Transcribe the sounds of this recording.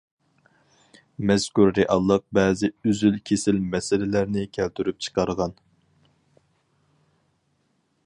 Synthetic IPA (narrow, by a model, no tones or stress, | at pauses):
mɛskuɾːeʔɑlˠːəq̚bɛːzɪøzylkʲʰesɪlmɛsɪlɪlæɾnɪkʲʰælt̪ʰyɾyp̚t͡ʃʰə̥qʰɑɾʁɑn